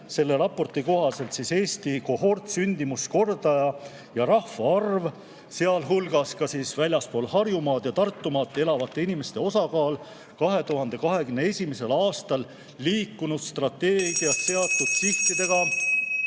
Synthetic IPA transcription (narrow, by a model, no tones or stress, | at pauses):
se̞lːe̞ɾɑpːˑo̞rt̪iko̞ɦɑse̞lt̪sise̞ːst̪iko̞ɦo̞rt̪synʲd̪imusko̞rd̪ɑjɑ | jɑɾɑhfɑɑrv | se̞ɑlɦulɡɑskɑsiːsvælʲjɑspo̞ːlhɑrjumɑːd̪̥jɑt̪ɑrt̪ːumɑːt̪ːee̞lɑvɑt̪ːe̞inime̞st̪e̞o̞sɑkɑːl | kɑɦe̞t̪uɦɑnd̪̥e̞kɑɦe̞ɡymnee̞sʲimese̞lɑːst̪ɑlː | iːkːunud̪̥st̪rɑt̪ːeːɡ̥iɑtse̞ɑt̪ːˑud̪̥̚t̪iht̪id̪e̞ɡ̥ɑ